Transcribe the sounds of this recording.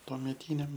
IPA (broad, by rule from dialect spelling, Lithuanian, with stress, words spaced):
tuɔmʲɛˈtʲiːnʲɛm